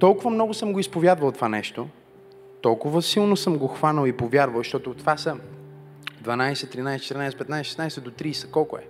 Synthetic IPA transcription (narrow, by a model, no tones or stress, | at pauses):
t̪ɔlˠkʊvəmnɔɡʊsɤmɡoispovʲjad̪vəlˠt̪ovanɛʃt̪o | t̪ɔlˠkʊvəsilˠnosɤmɡoxvanəlˠipovʲjaɾvəlˠʃt̪ɔt̪ʊt̪vasə | d̪vɐnajsɛt̪ɾinajsɛt͡ʃɛt̪ɾnajsɛpɛt̪najsɛʃɛ̥snajsɛd̪ot̪ɾisɛ̥kɔlˠkʊɛ̰